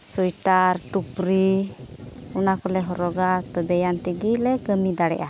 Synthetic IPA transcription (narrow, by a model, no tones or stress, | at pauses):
sujʈaɾʈupɾi | ɔnakɔlɛɦɔɾɔɡapɔbɛjant̪iɡilɛkəmid̪aɽɛ̰ʔa